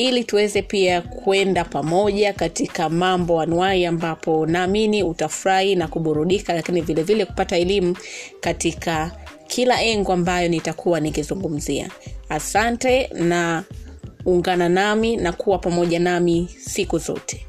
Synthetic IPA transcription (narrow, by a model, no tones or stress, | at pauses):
ilituwɛzɛpiakuɛndapamɔʄakatikamambɔanuwaiambapɔnaːminiutafuɾahinakuɓuɾuɗikalakinivilɛvilɛku̥pataɛlimukatikakʰilaʔɛŋɡɔambajɔnitakʰuwanikizuŋɡum̩zia̰asantɛna | uŋɡananaminakuwapamɔʄanamisikuzɔ̰tʰɛ̥